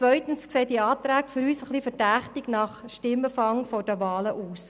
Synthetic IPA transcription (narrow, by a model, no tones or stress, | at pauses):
t͡sʋœʏtənskseːdiɑːt̪ɾæːkfʏɾyːsəχlifədæχtiɡnɑχʃtɪmːəfɑŋfɔd̥əʋɑːləʔuːs